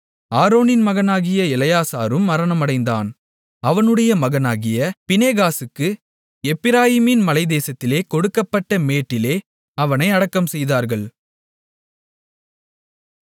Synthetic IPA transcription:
aːɾoːnɪnmɐɣɐnaːɣɪjɐɪlɐjaːsaːɾɯmːɐɾɐnɐmɐɽɐɪnd̪a̰ːn | ɐʋɐnɯɽɐjɐmɐɣɐnaːɣɪjɐpɪneːɣaːsɯkːɯ | ɛpːɪɾaːjɪmɪnmɐlɐɪd̪eːsɐt̪ːɪleːkɔɽɯkːɐpːɐʈːɐmeːʈːɪleː | ɐʋɐnɐɪɐɽɐkːɐmsɛjðaːɾɣɐɭ

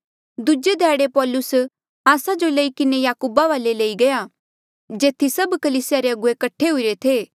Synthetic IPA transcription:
d̪ʊd͡ʒed̪ʱɛːɽepɔːlʊs | aːsad͡ʒolɐikɪnejaːkuːbaʋaːlelɐiɡɐja | d͡ʒeːt̪ʰisɐbkɐliːsɪjaɾeɐɡʊekɐʈʰːeɦʊiɾet̪ʰeː

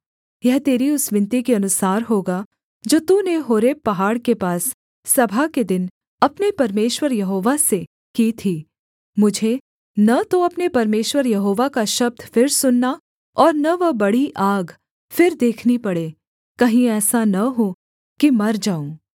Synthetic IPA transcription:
jɛɦt̪eːɾiʊsʋɪ̃nt̪ikeɐnʊsaːɾɦoːɡa | d͡ʒoːt̪uneɦoːɾeːpːɐɦaːɽkepaːsː | ɐbʱaked̪ɪn | ɐpnepɐɾmeːʃwəɾjɐɦoːʋase | kiːt̪ʰiː | mʊd͡ʒʱe | nɐt̪oɐpnepɐɾmeːʃwəɾjɐɦoːʋakaʃɐb̚d̪fɪɾsʊnːa | ɔːɾnɐʋɐbɐɽiʔaːɡ | fɪɾd̪eːkʰnipɐɽeː | kɐɦĩɛːsanɐɦo | kimɐɾd͡ʒaːõ

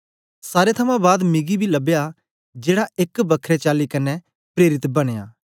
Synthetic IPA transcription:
saːɾet̪ʰɐmãbaːd̪mɪɡibʱilɐbja | d͡ʒeːɽaɪkbɐkʰɾet͡ʃaːlikɐnːɛ | pɾeːɾɪt̪bɐɽ̃eja̰ː

